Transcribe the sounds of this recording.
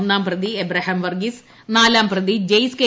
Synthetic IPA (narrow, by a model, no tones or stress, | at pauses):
nːaːmprɐd̪iebɾɐɦɐmʋɐrɡis | naːlaːmprɐd̪id͡ʑejske